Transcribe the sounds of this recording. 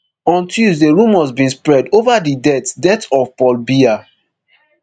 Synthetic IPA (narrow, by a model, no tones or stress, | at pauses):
ɔ̃ntʰjuzdeɹũmɔzbĩnspɹɛdovadidɛtdɛtɔvpɔlbia